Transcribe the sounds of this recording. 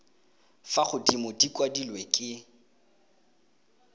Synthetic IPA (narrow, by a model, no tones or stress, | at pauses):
faχʊdimʊdikʼwadilwekʼɪ